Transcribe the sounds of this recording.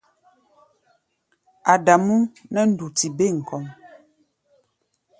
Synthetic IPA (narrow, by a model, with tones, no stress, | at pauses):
a˨da˨mu˦nə˦n̩˦du˨ti˨be˦˨ŋ̩˨kɔ˨m